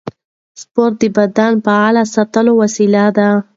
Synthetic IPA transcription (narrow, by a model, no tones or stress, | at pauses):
spoɾt̪̚d̪əbad̪ɑnpaalasat̪əlowasilad̪a